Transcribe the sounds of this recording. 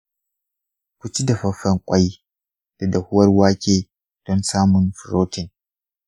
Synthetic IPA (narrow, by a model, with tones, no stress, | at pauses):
kʷʊ˦t͡ʃi˦da˨ɸɐ˦ɸːɐ˦ŋkʷʼɐ˦j | d̥a˨dɐ˨hʊ˦wɐ˦rwaː˦kʲeː˨ | d̥ɔ˦nsaː˦mʊ˨nɸɾoː˦tɪ˨n